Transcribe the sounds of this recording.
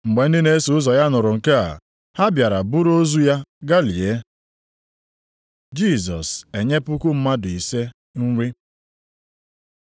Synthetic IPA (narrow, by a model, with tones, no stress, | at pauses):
ŋ͡m̩˨ɡ͡be˨n̩˦dɪ˦ne˦su˨ʊ˦zɔ˨ja˦nʊ˨ɾʊ˨ŋ̩˨ka˦a̰˨ | ha˦bja˨ɾa˨bu˦ɾo˦zu˦ja˦ɡa˦li˨e˦ | d͡ʒi˦˨zɔ̰˨se˨ɲe˦pʊ˦kʊ˦m̩˦ma˦dʊ˨i˨se˦ | ŋ̩˦wʷi˦